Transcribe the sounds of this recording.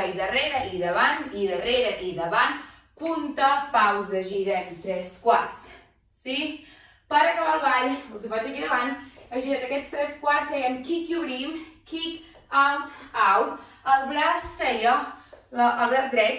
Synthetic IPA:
iðəreɾəʔiðəβant̪iðəreɾəʔiðəβant̪ | punt̪əpawzəʒiɾɛnt̪ɾɛskwaɾsː | i | paɾəkəβalˠβaʎuzufat͡ʃəkiðəβanəʒiɾɛnd̪əkɛst̪ɾɛskwaɾsejɛmkikjuɾimkik | awt̪awt̪ | əlˠβlasfɛjələəβlazðɾɛt̪

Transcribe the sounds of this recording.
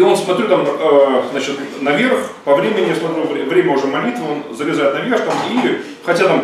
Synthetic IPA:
o̞nsmɐt̪ɾʲut̪aməznat͡ɕɪt̪nɐvʲerxpɐvɾʲemʲɪnʲɪjasmɐt̪ɾʲuvʲvɾʲemʲəʊʐɛmɐlʲit̪vʊonzəɾʲɪzajɪt̪nɐvʲerxt̪ami | xɐtʲat̪am

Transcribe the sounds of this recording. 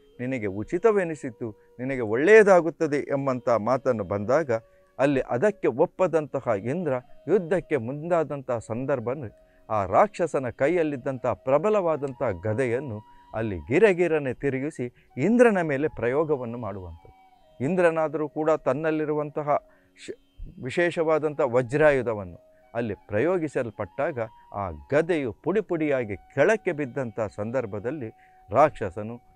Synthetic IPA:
ninɐɡe̞ut͡ʃit̪ɐʋeːnisit̪ːu | ninɐɡe̞oɭːejɐd̪aːɡut̪ːɐd̪eʔembɐnt̪ɐɦɐmaːt̪ɐnːubɐnd̪aːɡɐ | ɐlːiʔɐd̪ɐkːe̞opːɐd̪ɐnt̪ɐɦɐind̪ɾɐjud̪ʱːɐkːe̞mund̪aːd̪ɐnt̪ɐɦɐsɐnd̪ɐɾbʱɐnːu | aːɾaːkʂɐsɐnɐkɐjːɐlːid̪ːɐnt̪ɐɦɐpɾɐbʱɐlɐʋaːd̪ɐnt̪ɐɦɐɡɐd̪ɛjɐnːuɐ̰lːḭɡiɾɐɡiɾɐnet̪iɾiɡusi | ind̪ɾɐnɐme̞ːle̞pɾɐjɔːɡɐʋɐnːumaːɽuʋɐnt̪ʰɐd̪u | ind̪ɾɐnaːd̪ɐɾuːkuːɽɐt̪ɐnːɐlːiɾuʋɐnt̪ɐɦɐ | ʋiʃɛːʃɐʋaːd̪ɐnt̪ɐɐʋɐd͡ʒɾaːjud̪ɐʋɐnːu | ɐlːipɾɐjoːɡisɐlpɐʈːaːɡɐ | a̰ːɡɐd̪ɛjupuɽipuɽijaːɡikʰɛɭɐkːe̞bid̪ːɐnt̪ɐɦɐsɐnd̪ɐɾbʱɐd̪ɐlːi | ɾaːkʂɐsɐnu

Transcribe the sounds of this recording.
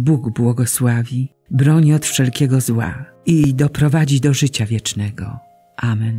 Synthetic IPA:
buɡbwɔɡɔswavʲi | bɾɔɲiɔt̪fʂɛlkʲɛɡɔzwa̰ | id̪ɔpɾɔvad͡ʑid̪ɔʐɘt͡ɕavʲjɛt͡ʂnɛɡɔ̰ | ʔamɛn

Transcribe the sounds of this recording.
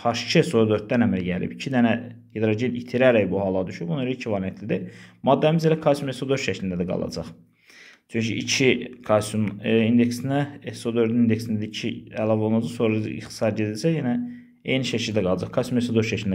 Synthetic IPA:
hɑʃt͡ʃʰisoɾd̪øɾt̪̚d̪ænhæmiɾæɟælḭbicʰid̪ænæ | hed̪ɾoɟed̪it̪ʰiɾæɾæjbuɦɑlˠɑd̪yʃybunɑeɾicʰivɑlijɛt̪ʰlid̪emɑd̪ːæmizelækʰɑsumesod̪øɾʃæcʰlind̪æd̪æɡɑ̰lˠɑ̰d͡ʒɑ̰χ | t͡ʃʰyɲcʰḭʔit͡ʃʰikʰɑsumind̪e̞ksinæesod̪øɾd̪iind̪e̞ksind̪æd̪icʰiælˠɑvo̞lˠɑd͡ʒɑsoɾ̰ḭχt̪i̥sɑɾɟed̪ild͡ʒæjenæ | ejniʃæcʰild̪æɡɑlˠɑd͡ʒɑχkʰɑsumesod̪øɾʃɛcʰlind̪

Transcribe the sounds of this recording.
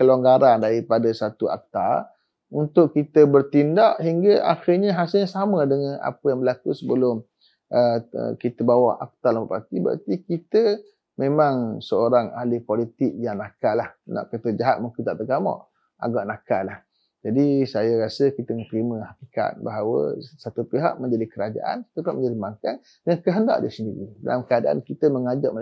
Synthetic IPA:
kəloŋɡaɾandaɾipadasat̪ua̰k̚t̪a̰r | unt̪ʊʔkːit̪əbərt̪indaʔɦiŋɡaʔa̰xirɲaɦasɪlɲasamədəŋana̰pəjaŋbəlakusəbəlʊm | ʔəə̰kit̪əbawaha̰k̚t̪alampapat̪iba̰t̪ikit̪ə | mẽmaŋsəoɾaŋalipolit̪ɪk̚jaŋnakalahnɔ̰ʔkət̪əd͡ʒaɦat̪̚muŋkɪnt̪aʔt̪əɡamɔ̰ʔ | ʔa̰ɡɔʔnakalah | d͡ʒadisajaɾasəkit̪əŋət̪əɾiməhakika̰t̪̚baɦawə̰sat̪upiɦa̰ʔ̚mə̃ɲd͡ʒadikəɾad͡ʒa̰ʔa̰nki̥t̪əpaʔmə̃ɲd͡ʒadimaŋkan | jaŋkəɦənda̰ʔdisəndiɾida̰lamkəadaʔa̰nkit̪əməŋad͡ʒɔʔmə

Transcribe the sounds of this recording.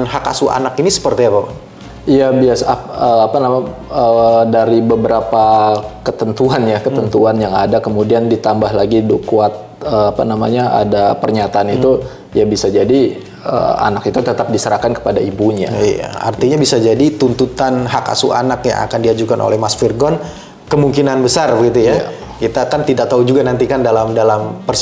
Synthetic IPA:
nɦaka̰sua̰nakinisə̥pərt̪iapapa | ijabiasəapanamaədaɾibəbəɾapakət̪ənt̪uanjakət̪ənt̪uanjaŋadakəmudiandit̪ambaɦlaɡidokuat̪̚əapa̰namaɲaʔa̰dapərɲat̪aːnit̪u | jabisad͡ʒadi | ə̰a̰nakit̪ut̪ət̪ap̚disəɾahkankə̥padaibuɲa̰ja̰a̰rt̪iɲabisad͡ʒadit̪unt̪ut̪anɦaka̰suʔa̰nakja̰ŋa̰kandiad͡ʒukanʔo̰lɛhmasfirɡɔn | kəmuŋkinanbəsarbəɡit̪uja̰ | kit̪akant̪idak̚t̪aud͡ʒuɡanant̪ikandalamdalampərs

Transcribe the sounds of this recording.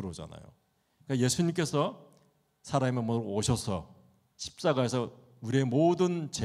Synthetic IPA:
ɾʌd͡ʑa̰na̰jo̰ | k͈aje̞sʰuɲimk̬͈e̞sʰʌ | sʰaɾamemoɾooɕʰʌsʰʌ̰ | ɕʰi̥p̚t͡ɕ͈aɡaɦe̞sʰʌ | uɾie̞modɯnt͡ɕe

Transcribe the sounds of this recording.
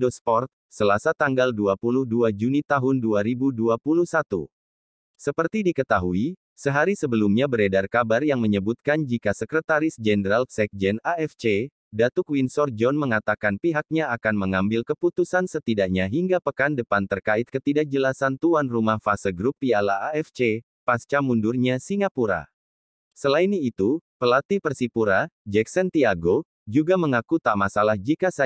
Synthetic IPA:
dospɔrt̪̚ | səlasat̪aŋɡalduapuluhduad͡ʒunit̪aɦʊnduaɾibuduapuluhsat̪ṵ | səpərt̪idikət̪aɦui | səɦaɾisəbəlumɲabəɾedarkabarjaŋməɲəbut̪̚kand͡ʒikasəkɾət̪aɾɪsd͡ʒɛnəɾalsɛk̚d͡ʒɛnaɛft͡ʃe | dat̪ukwinsɔrd͡ʒɔnməŋat̪akanpiɦak̚ɲaakanməŋambɪlkəput̪usansət̪idaʔɲaɦiŋɡapəkandəpant̪ərkaɪt̪̚kət̪idak̚d͡ʒəlasant̪uanrumahfasəɡɾupːialaʔːɛft͡ʃe | past͡ʃamundurɲasiŋapuɾa̰ | səlainiːt̪upəlat̪ipərsipuɾad͡ʒɛksɛnt̪iaɡo | d͡ʒuɡaməŋakut̪amasalahd͡ʒikasa

